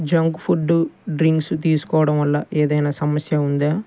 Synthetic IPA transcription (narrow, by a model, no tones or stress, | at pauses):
d͡ʒɐŋɡupʰuɖːuɖɾiŋkst̪iːsu̥kɔːʋɐɽɐmʋɐlːɐʔeːd̪ɐjnaːsɐmɐsjɐund̪aː